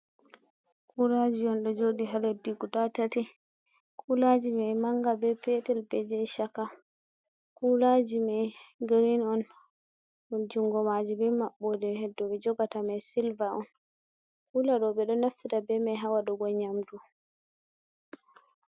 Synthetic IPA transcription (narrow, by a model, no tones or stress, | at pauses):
kʰulad͡ʒiɔnɗɔd͡ʒodiɦalɛdiɡutatati | kʰulad͡ʒimɛmaŋɡabɛpɛtɛlbɛd͡ʒɛʃaka | kʰulad͡ʒimɛɡɾinɔn | md͡ʒuŋɡɔmad͡ʒibɛmaɓːɔdɛdɔɓɛd͡ʒɔɡatamajsilvaɔn | kulaɗɔɓɛɗɔnaftitabɛmɛɦawaɗɔɡɔɲamdu